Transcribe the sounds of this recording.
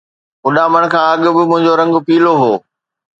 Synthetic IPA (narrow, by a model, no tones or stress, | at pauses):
ʊɗaːməɽ̃kʰãːɐɠʊbɪmʊ̃ɦɪ̃ɲd͡ʑoɾɐ̃ŋɡpiːloɦoː